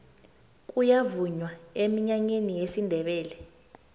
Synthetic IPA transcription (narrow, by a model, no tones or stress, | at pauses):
k̬ʼujavuɲwaemiɲaɲenijesindʱɛɓɛːlɛ